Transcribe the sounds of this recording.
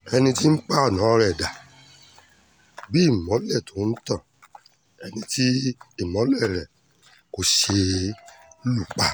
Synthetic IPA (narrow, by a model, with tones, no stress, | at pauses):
ɛ˧nĩ˧ti˦n̩˦k͡pa˦ɔ˦˨nã˨˦˧ɾɛ˨da˨ | bi˦˨mɔ̃˨˦lɛ˦˨tʰo˨˦n̩˦tã˦˨ | ɛ˧nĩ˧ti˦i˦˨mɔ̃˨˦lɛ˦˨ɾɛ˨ | ko˧ʃe˧ | lu˦˨k͡pa˨˦